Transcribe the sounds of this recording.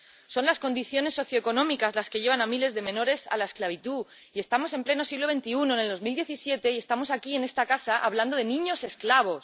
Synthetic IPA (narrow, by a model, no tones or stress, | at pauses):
so̞nlasko̞nd̪iθjo̞ne̞sːo̞θjo̞eko̞nõ̞mikazlaske̞ʝe̞βanamile̞zðe̞mẽ̞no̞ɾe̞sa̰laesklaβ̞it̪u | ie̞st̪amo̞se̞mple̞no̞siɣloβe̞nt̪iuno̞ene̞lðo̞zmild̪je̞θisje̞t̪e̞ie̞st̪amo̞sakie̞ne̞st̪akasaʔa̰βland̪oðe̞nĩɲo̞se̞sklaβo̞s